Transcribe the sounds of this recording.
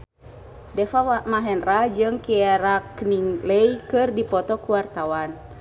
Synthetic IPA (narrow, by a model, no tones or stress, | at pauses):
dɛfamaɦɛnrad͡ʒɨŋkiɛɾakniŋləjkɨrdipɔt̪ɔkuwart̪awan